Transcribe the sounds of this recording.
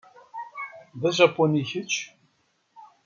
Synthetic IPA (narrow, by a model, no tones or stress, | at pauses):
ðæʒæpːoniçət͡ʃː